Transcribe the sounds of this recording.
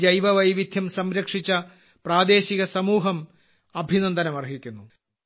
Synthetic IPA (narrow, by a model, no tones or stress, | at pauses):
d͡ʑɐjʋɐʋɐjʋid̪ʱjɐmsɐmɾɐkʂit͡ɕːɐ | praːd̪e̞ːɕiɣɐsɐmuːɦɐm | ɐbʱinɐnd̪ɐnɐmɐrɦikʲːunːu